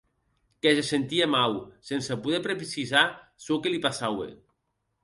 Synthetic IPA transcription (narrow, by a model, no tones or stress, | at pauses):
kesesent̪iemawsensapuðɛpɾepisizasokelipasawḛ